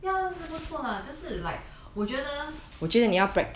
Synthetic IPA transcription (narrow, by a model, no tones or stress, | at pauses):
jaaʂ̩put͡sʰwɔlət͡ɕoʊʂɻ̩laɪ | wɔt͡ɕɥɛd̪əwɔt͡ɕid̪ənijapɹɛk̚t